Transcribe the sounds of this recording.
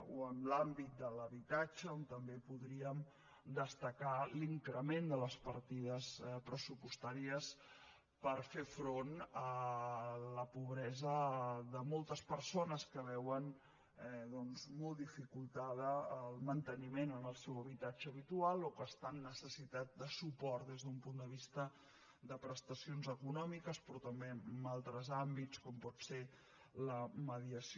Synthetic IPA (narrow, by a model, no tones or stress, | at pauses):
oəmlambit̪̚d̪ələβit̪ad͡ʒəont̪əmbepuðɾiəm | d̪əst̪əkaliŋkɾəmend̪ələspəɾt̪iðəspɾəsupust̪aɾiəs | pəɾfefɾonə | ləpuβɾɛzəðəmɔlˠt̪əspəɾsonəskəβɛwən | ɛðɔnzmɔlˠd̪ifikulˠt̪að̞əːlˠmənt̪ənimenənəlˠsɛwəβit̪ad͡ʒəːβit̪ualˠokəst̪anːəsəsit̪at̪̚d̪əsupɔrt̪d̪ezðumpund̪əβist̪ə | ðəpɾəst̪əsionzəkunɔmikəspɾɔt̪əmbeəmalˠt̪ɾəzambit͡skɔmpɔt̪se | ləməðiəs